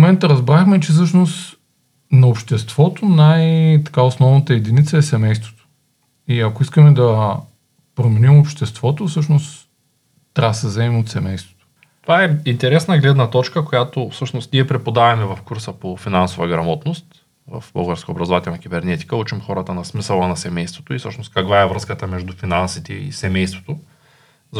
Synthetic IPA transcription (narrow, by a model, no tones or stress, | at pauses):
momɛnt̪əɾɐzbɾaxmɛt͡ʃɛs̬ɤʃnost̪ | nɐopʃt̪ɛst̪v̥ɔt̪onajt̪ɐ̥kaosnɔvnət̪əɛd̪init̪səɛsɛmɛjst̪vo̥t̪o̥ | iɐkoiskəmɛd̪ɐ | pɾomɛnimopʃt̪ɛst̪vɔt̪ofsɤʃnos | t̪ːɾasəzɛmot̪sɛmɛjst̪vo̥t̪o̥ | t̪ovaɛint̪ɛɾɛsnəɡlɛd̪nɐt̪ɔt͡ʃkəkojat̪ofsɤʃnost̪niɛpɾɛpod̪avɐmɛvɐfkuɾsəpofinansovɐɡɾɐmɔt̪nost̪ | vɐ̰fbə̰lˠɡəɾskəoːbɾɐzovat̪ɛlˠnɐk̟ʲibɛɾnɛt̪i̥kəut͡ʃimxɔɾɐt̪ənɐsmisəlˠənɐsɛmɛjst̪vot̪oifsɤʃnost̪kɐkvaɛvɾɤskət̪əmɛʒd̪ufinansit̪ɛḭsɛmɛjst̪vo̥t̪o | z